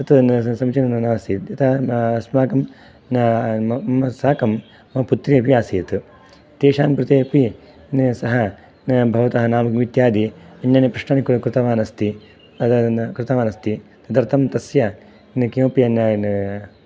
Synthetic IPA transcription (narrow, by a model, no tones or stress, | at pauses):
t̪ɐt̪sɐmt͡ʃɐnɐnɐnaːsiːt̪jɐt̪ʰɐɐsmaːkɐm | n | ɐmɐsaːkɐmː | ɐput̪ɾiɐpiaːsiːt̪ | t̪eːʃaːmkɾɪt̪eːpi | nsɐɦɐ | bʱɐʋɐt̪ɐɦɐnaːmɐkmʋid̪jaːd̪iɐnːaːnɐpɾɐʂɳaːnikkɾɪt̪ɐʋaːnɐst̪i | ɐt̪ɐkɾɪt̪ɐʋaːnɐst̪it̪ɐd̪ɐɾt̪ʰɐmt̪ɐsjɐ | nkiɐpiɐnɐ